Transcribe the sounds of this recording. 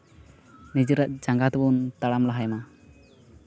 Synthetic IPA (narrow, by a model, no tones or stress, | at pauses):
nid͡ʒiɾaʔ̪̚d͡ʒaŋɡat̪bunt̪aɽamlaɦajma